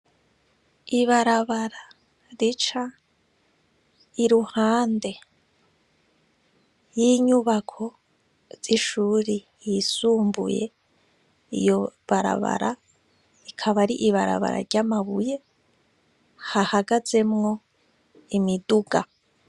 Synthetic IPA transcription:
iβaɾaβaɾa | ɾit͡ʃa | iɾuhaːnde̞ | jiɲuβakʰo̞ | z̥iʃuːɾi | jisuːmbṵje̞̰ | ḭjo̞βaɾa̰βa̰ɾa | ikʰaβaɾiʔiβaɾa̰βa̰ɾa̰ɾɟamaβuje̞ | hahaɡaze̞mŋo̞ | imiduɡa

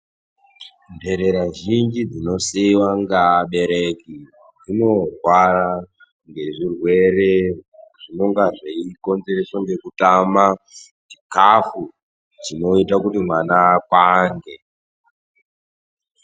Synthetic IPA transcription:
nde̞ɾeɾaʒind͡ʒid͡zino̞siwaŋɡaɓe̞ɾe̞ki | d͡zino̞rwara | ŋɡe̞ʐirwe̞re̞ʐ̥ino̞ŋɡaʐeiko̞nze̞ɾeswaŋɡe̞kutama | ʐikafu | d͡zino̞itakutimwanakwaŋɡe

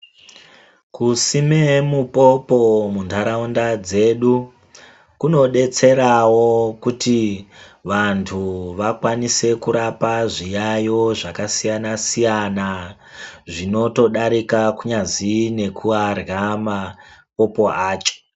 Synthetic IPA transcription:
kusime̞mupo̞po̞mundʰʱaɾaundad͡ze̞ɗu | kuno̞ɗe̞t͡se̞ɾawo̞kutiʋantʰuʋakwanise̞kuɾapaʐijajo̞ʐakasijanasijana | ʐino̞to̞ɗaɾikakuɲazine̞kʰuarɣamapo̞po̞aːt͡ʃe̥

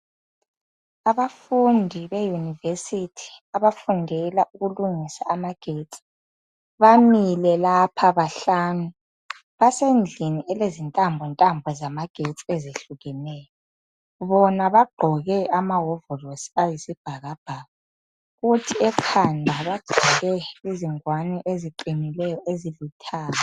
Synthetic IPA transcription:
aβafundʱiβejunivesitʰi̥aβafundʱɛlaʔuɣuluŋisa̰ːmaɡ̥ʱet͡sʼi̥ | βamilɛlapʰaβaɬaːnu | βasend͡ɮʱiniʔɛlezintʼambʱɔntʼambʱɔzamaɡ̥ʱet͡sʼiezeɬuɣɛnɛːjɔ | βɔnaβaɡ͡ǃʱɔɣɛʔamaɦɔvɔlosi̥ajisib̥ʱaɣab̥ʱaːɣa | ɣutʰiɛkʰandʱaβaɡ͡ǀ̥ʱɔɣɛiziŋwanɛʔeziǃinilɛjɔʔezilutʰaːla

